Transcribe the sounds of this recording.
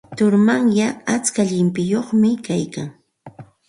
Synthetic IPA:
t̪ʊɾmaŋjaat͡skaʎɪmpɪjoχmɪkajkaŋ

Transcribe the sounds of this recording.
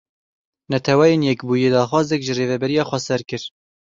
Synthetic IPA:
nɛt̪ʰɛwɛjeːnjɛkbuːjeːd̪ɑːxwɑːzɛkʒɨreːvɛbɛɾijɑːxʷɛsɛɾkɨɾ

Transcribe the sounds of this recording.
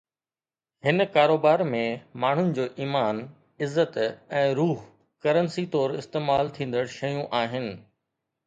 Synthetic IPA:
hɪnkaːɾoːbaːɾmẽmaːɳ̤ʊnɪ̆d͡ʑoːʔiːmaːn | ɪzːət̪ɛ̃ːɾuːɦ | kɐɾənsit̪ɔːɾɪst̪eːmaːlt̪ʰĩːn̆d̪əɽ̃ʃɐjũʔaːɦɪnɪ̆

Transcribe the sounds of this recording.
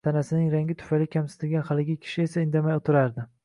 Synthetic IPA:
t̪ʰanasɪnɪŋɾaŋɡʲɪt̪ʰʊ̥fajlɪkʲʰamsɪ̥t̪ʰɪlɡʲanχalɪɡʲɪkʲʰɪ̥ʃɪe̞saɪnd̪amajot̪ʰɪɾaɾd̪ɪ

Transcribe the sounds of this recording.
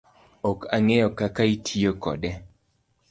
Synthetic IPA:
ɔkaŋejɔkakaitʰijokɔ̰dɛ

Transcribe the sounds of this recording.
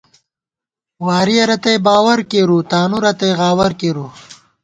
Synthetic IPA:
waːɾiɐɾɐt̪ɐjbaːwɐɾkeɾut̪aːnuɾɐt̪ejɣaːwɐɾkeːɾu

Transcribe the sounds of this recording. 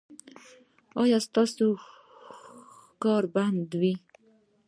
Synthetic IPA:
ɑjɑst̪ɑso | kɑɾband̪wi

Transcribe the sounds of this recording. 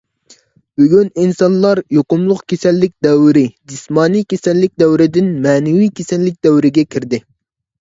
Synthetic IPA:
b̥yɡʲyninsɑnlˠɑɾjoqʊmlˠʊqkʲʰesɛlːɪk̚ʲd̪ɛwɾɪd͡ʒismɑːnikʲesɛlːɪk̚ʲd̪ɛwɾɪd̪ɪnmɛːnɪwikʲʰesɛlːɪk̚ʲd̪ɛwɾɪɡʲɛkʲʰiɾd̪ɪ

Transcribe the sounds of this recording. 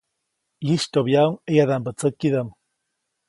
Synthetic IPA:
jiʃt̪objauŋejaðampət͡səkːiðam

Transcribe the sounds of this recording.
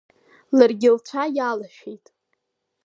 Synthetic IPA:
larɡʲɪlt͡ʃʷʰajalaʃᶣejtʼ

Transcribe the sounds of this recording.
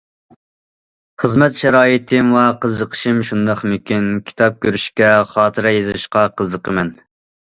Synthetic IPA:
χəzmɛt̪ʃɛɾɑːjit̪ʰɪmwɛqəzəqʰə̥ʃɨmʃund̪ɑχmykʲynkʲʰi̥t̪ʰɑp̚kʲʰøɾyʃkʲɛχɑːt̪ʰɨɾɑjezɪʃqɑqʰəzəqʰəmɛn

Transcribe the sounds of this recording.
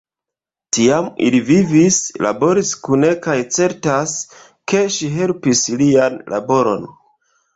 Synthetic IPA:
tiamḭlivivisla̰bo̞ɾiskune̞kajt͡se̞ɾtas | ke̞ʃiɦe̞lpislianlʔa̰bo̞ɾo̞n

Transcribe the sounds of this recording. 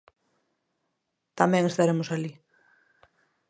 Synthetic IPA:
t̪amɛ̃ŋest̪aɾemosali

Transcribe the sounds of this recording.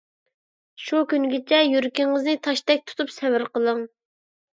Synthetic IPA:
ʃukʲynɡʲɪt͡ʃʰɛjyɾkʲɪŋəznɨt̪ʰɑʃt̪ɛk̚ʲt̪ʰu̥t̪upsɛwɪɾqəlˠəŋ

